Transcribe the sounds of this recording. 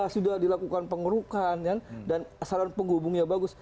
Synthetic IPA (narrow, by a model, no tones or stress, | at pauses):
asudahdilakukanpəŋəɾukankandanasaɾanpəŋɦubʊŋɲabaɡʊs